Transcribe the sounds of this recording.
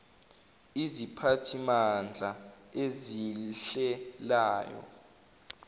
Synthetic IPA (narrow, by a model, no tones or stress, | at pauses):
izipʰatʰimand͡ɮʱaeziɬɛlaːjɔ̰